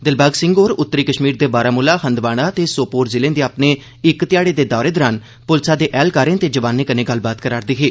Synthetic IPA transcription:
d̪ɪlbaːɡsɪ̃ŋɡoːɾʊt̪ːɾiːkəʃmiːɾd̪eːbaːɾaːmʊlaːhənd̪ʋaːɽ̃aːt̪eːsoːpoːɾzɪlẽːnd̪eaːpneː | ɪkt̪ɪjaːɽeːd̪eːd̪ɔːɾeːd̪ɔːɾaːn | pʊlsaːd̪eːʔɛːlkaːɾẽːnt̪eːd͡ʒəʋaːnːẽːkəneːɡəlbaːt̪kəɾaːɾd̪iːɦeː

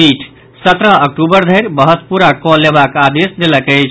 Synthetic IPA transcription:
iʈʰ | sət̪ɾəɦək̚ʈubəɾd̪ʱəjɾbəɦət̪puɾakɔlːebakad̪esd̪eləkəɪt͡ʃʰ

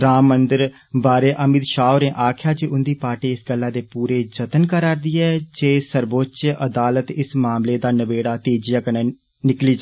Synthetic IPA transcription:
ɾaːmːənd̪əɾ | baːɾeːʔəmɪd̪ʃaːʊɾẽːʔaːkʰjaːd͡ʒiːʊnd̪iːpaːʈiːɪsɡəlːãːd̪eːpuːɾeːd͡ʒət̪ənkəɾaːɾd̪iːɛːd͡ʒeːsəɾbot͡ʃəd̪aːlət̪ɪsmaːmleːd̪aːnəʋeːɽaːt̪eːd͡ʒɪjaːkənɛ̃ː | nɪkliːd͡ʒ

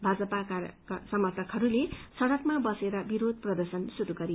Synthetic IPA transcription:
bʱad͡zʌpakaksʌmʌrt̪ʰʌkɦʌɾulesʌɽʌkmabʌseɾʌbiɾod̪̚ʱprʌd̪ʌrsʌnsud̪uɡʌɾi

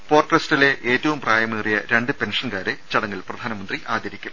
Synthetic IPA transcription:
po̞ːrʈːrestɐle̞ʔeːtːɐʋumpraːjɐmeːrijɐ̰ɾe̞ɳɖɨpe̞nʂɐnkaːɾɨt͡ɕɐɽɐŋːɐlprɐd̪ʱaːnɐmɐnd̪riʔaːd̪ɐɾikʲːu

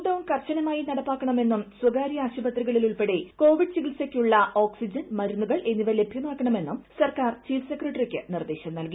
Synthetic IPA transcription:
ɖɐʋunkɐrɕɐnɐmaːjinɐɽɐpːaːkːɐɳɐme̞nːumswɐɡaːɾijɐaːɕubɐt̪riɣɐɭiluɭpe̞ɽe̞ko̞ːʋiɖɨsiɡilsekʲːuɭːɐo̞ːksid͡ʑɐnmɐɾunːuɣɐɭʔe̞nːiʋɐle̞bʱjɐnaːkːɐɳɐme̞nːumsɐrkaːrt͡ɕiːfsekrɐʈːɐrikʲːɨnird̪eːɕɐmnɐlki

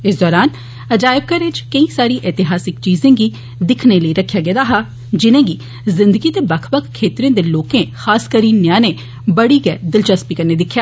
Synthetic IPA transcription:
ɪsd̪ɔːɾaːn | əd͡ʒaːɪb̚kəɾɪt͡ʃkəĩːsaːɾiːʔɛt̪ɪɦaːsɪkt͡ʃiːzẽːɡiː | d̪ɪkʰneləiɾəkʰːjaːɡɛːd̪aːɦaː | d͡ʒɪnẽːɡiː | zɪ̃nd̪əɡiːt̪eːbəkʰbəkʰkʰːeːt̪ɾẽːd̪eːloːkẽːxaːskəɾiːnjãːneː | bəɽiːɡɛːd̪ɪlt͡ʃəspiːkəɾneːd̪ɪkʰːjaː

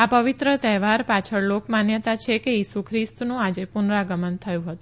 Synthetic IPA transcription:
apəʋɪt̪ɾət̪ɛʋaɾpat͡ʃʰəɭlokmanjət̪at͡ʃʰekejisukʰɾist̪nũad͡ʒepʊnɾaɡəmənt̪ʰəjũɦət̪ũ

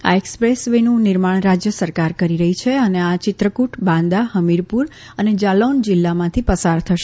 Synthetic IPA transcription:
a̰ekspɾesʋenũnɪɾmaɽ̃ɾad͡ʒjəsəɾkaɾkəɾiɾəɦit͡ʃʰeəneat͡ʃɪt̪ɾəkuʈʰbãnd̪aɦəmiɾpuɾ | əned͡ʒalond͡ʒɪlːamãt̪ʰipəsaɾt̪ʰəʃe

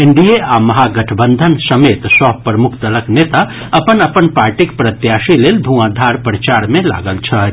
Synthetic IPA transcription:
ɪɳɖieaːmɐɦaɡɐʈʰbə̃nd̪ʱənsɐmeːt̪sɔpɾəmʊkʰt̪ələkneːt̪a | ɐpənɐpənpaːɾʈɪkpɾɐt̪jaːʃileːld̪ʱuãːd̪ʱaːɾpɾət͡ʃaːɾmẽla̰ːɡəlt͡ʃʰɐ

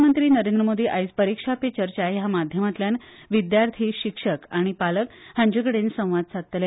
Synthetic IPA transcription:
mənt̪ɾiːnəɾend̪ɾəmod̪iːʔajspəɾikʂapet͡ɕəɾt͡ɕajɦamad̪ʱjəmat̪ljanʋid̪jaɾt̪ʰiːɕikʂəkaɽ̃ipaləkhãɲd͡ʑeɡəɽensə̃w̃ʋad̪̚sʰat̪t̪lja

